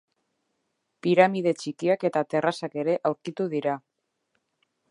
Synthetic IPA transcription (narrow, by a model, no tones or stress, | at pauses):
piɾamið̞e̞t͡ʃikiake̞t̪at̪e̞rasake̞ɾe̞ʔawɾkit̪uðiɾa